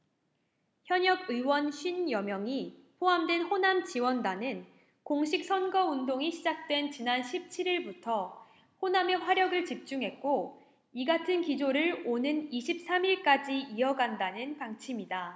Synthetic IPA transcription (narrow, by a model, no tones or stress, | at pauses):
çjʌɲʌɡ̚ɯwʌnɕʰɥinjʌmjʌŋipʰoɦamdwe̞nɸonamt͡ɕiwʌndanɯn | koŋɕʰik̚s͈ʰʌnɡʌundoŋiɕʰid͡ʑak̚t͈we̞nt͡ɕinanɕʰip̚t͡ɕʰiɾiɭbutʰʌ | ɸoname̞ɸwaɾjʌɡɯɭt͡ɕip̚t͡ɕ͈uŋɦe̞t̚k͈o | iɡatʰɯnkid͡ʑoɾɯɭonɯniɕʰip̚s͈ʰamiɭk͈ad͡ʑiiʌɡandanɯnpaŋt͡ɕʰimida